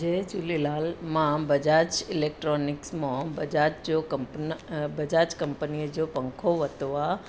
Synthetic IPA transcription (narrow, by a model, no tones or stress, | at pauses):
d͡ʒed͡ʒulilalmãbəd͡ʒat͡ʃɪlek̚ʈɾonɪksmãbəd͡ʒat͡ʃd͡ʒokəmpnbəd͡ʒat͡ʃkəmpənied͡ʒopə̃ŋkʰoʋət̪oʋa